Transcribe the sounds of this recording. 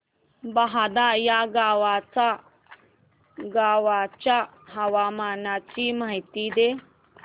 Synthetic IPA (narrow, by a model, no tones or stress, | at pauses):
baɦad̪ajaɡawat͡sa | ɡaːwat͡ʃa | ɦɐwamanat͡ʃiməɦit̪id̪e